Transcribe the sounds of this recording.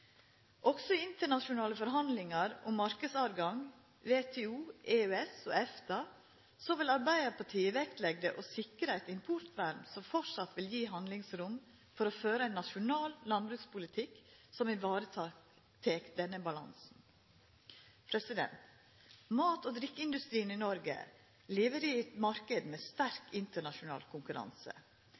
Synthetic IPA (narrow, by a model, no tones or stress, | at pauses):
ʔɔɡsɔɪnt̪əɳɑʃʊnɑːləfɔɾɦɑnd̪lɪŋɑɾʔʊ̰mːɑɾkəsɑɾɡɑŋ | ʋeːt̪ʰeːuːʔeøːɛsɔːɛft̪ɑ | sɔʋɪlɑɾbæɪəpʰɑʈʰiːəʋɛkt̪lɛɡ̚d̪əʔosɪkɾəɛɪt̪ɪmpʰʊɾt̪ʋæɾmsɔmfɔʂɑt̪ʋɪljiːɦɑnd̪lɪŋsɾʊm | fɔɾɔføːɾəænːɑʃʊnɑːlːɑnbɾʉːkspʊlɪt̪ʰɪkːsɔmɪʋɑːɾət̪ʰɑ | t̪ʰeːkd̪ɛnːəbɑlɑ̰nsn̩ | pʰɾɛsɪd̪ɛ̰nt̪ | mɑːt̪ɔd̪ɾɪkːɪnd̪ʉst̪ɾiːəninɔɾɡə̰ | liːʋəɾiɛt̪mɑɾkəd̪mɛst̪æɾkɪnt̪əɳɑʃʊnɑ̰ːlkʰʊŋkʉɾɑ̰nsə̰